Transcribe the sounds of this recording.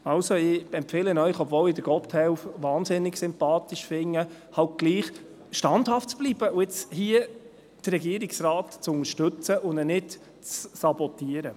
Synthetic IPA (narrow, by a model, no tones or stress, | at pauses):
ɑwsoɪɛmfeːlənœʏχɔbvɔːlɪd̪əɾɡ̥ɔpthɛwfʋɑːnsɪnɪksɪmpɑːt̪iʃfɪŋːə | hɑlt̚ɡ̥liːχ | ʃtɑnd̥hɑftt͡sb̥liːb̥əʊɪt͡shiə | d̥ərːɛɡiːəɾɪksraːtt͡sʊŋəʃtɵt͡səʔʊnɛnɪt | t͡ssɑbɔt̪ːiəɾə